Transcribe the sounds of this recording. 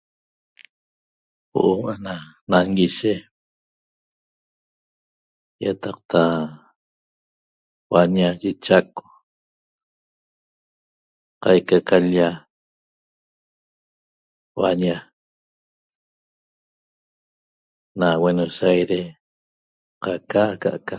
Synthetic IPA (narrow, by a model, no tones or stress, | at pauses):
wo̰ʔoʔananaŋɡiʃe | jat̪ɑq̚t̪ʰa | waɲaʒit͡ʃako̥ | qɑjkakʰaʎa | wa̰ɲa | nawenosajɾe | qakaka̰ʔka